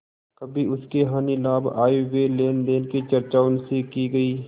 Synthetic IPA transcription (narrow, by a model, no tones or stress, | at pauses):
kɐbʱiʊskeɦaːnilaːbaːiweleːnd̪eːnkit͡ʃɐɾt͡ʃaːʊnsiːkiɡɐiː